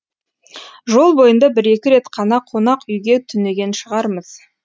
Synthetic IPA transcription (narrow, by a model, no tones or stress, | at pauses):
ʒo̞lˠbo̞jənd̪ɑbɪɾe̞kʲɪɾe̞t̪qʰɑnɑqʰːonɑqʏjɡʲe̞t̪ʰʏne̞ɡʲe̞nʃəʁɑɾməz̥